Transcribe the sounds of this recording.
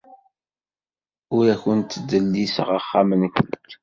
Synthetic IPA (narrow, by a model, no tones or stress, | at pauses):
ʊɾæçənt̪ːd̪ːəlːisə̰ʁaχːamənkʷːənt̪